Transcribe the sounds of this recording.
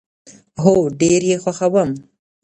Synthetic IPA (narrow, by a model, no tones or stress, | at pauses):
ɦoɖeɾjexwaxawam